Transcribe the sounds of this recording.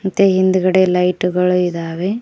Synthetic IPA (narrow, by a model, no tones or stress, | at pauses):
mɐt̪ːeɦind̪uɡɐɽelɐjʈuɡɐɭuid̪aːʋe